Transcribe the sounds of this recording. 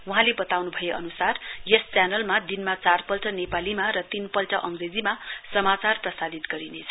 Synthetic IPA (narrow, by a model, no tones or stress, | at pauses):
wuɦãlebʌt̪awnubʱʌjeʔʌnusarjʌst͡sjanʌlmad̪inmat͡sarpʌlʈʌnepalimaɾʌt̪inpʌlʈʌʔʌŋɡred͡zimasʌmat͡sarprʌsad̪it̪ɡʌɾinet͡sʰʌ